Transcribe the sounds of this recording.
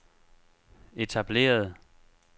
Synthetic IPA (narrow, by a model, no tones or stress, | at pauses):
e̝t͡sʰæb̥le̝̰ːɐð̞̩ˠ